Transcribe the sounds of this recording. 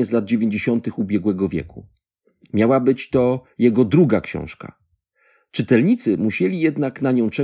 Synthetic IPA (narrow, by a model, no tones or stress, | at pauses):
ɛzlad̪̚d͡ʑevʲẽɲd͡ʑeɕɔnt̪ɘxubʲjɛɡwɛɡɔvʲjɛ̰ku | mʲjawabɘt͡ɕt̪ɔjɛɡɔd̪ɾuɡakɕɔ̰̃w̃ʂka̰ | t͡ʂɘt̪ɛlɲit̪sɘmuɕɛlʲijɛd̪naknaɲɔ̃w̃t͡ʂɛ